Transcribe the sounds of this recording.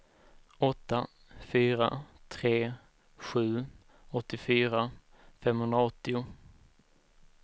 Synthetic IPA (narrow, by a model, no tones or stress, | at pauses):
ɔt̪ːa | fyːɾa̰t̪ʰɾeː | ɧʉ̟ː | ɔt̪ːɪfyːɾa | fɛmhɵnd̪ɾaaɔt̪ːɪʊ